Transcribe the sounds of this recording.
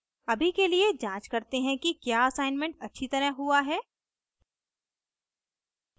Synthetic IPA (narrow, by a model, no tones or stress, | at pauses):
ɐbʱikelied͡ʒãːt͡ʃkɐɾt̪eɦɛ̃kikjaːɐsaːɪnmẽɳʈ̚ɐtːʃʰit̪ɐɾə̃ɦɦuaɦɛː